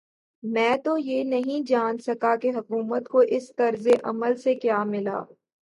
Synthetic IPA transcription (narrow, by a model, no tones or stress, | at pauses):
mɛ̃ːt̪ojeːnɐɦĩd͡ʒaːnsɐkakeɦɐkuːmət̪koʔɪst̪ɐɾzeʔɐ̰məlsekjaːmɪla̰ː